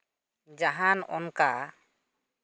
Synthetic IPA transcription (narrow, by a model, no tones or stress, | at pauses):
d͡ʒaɦanɔ̰nka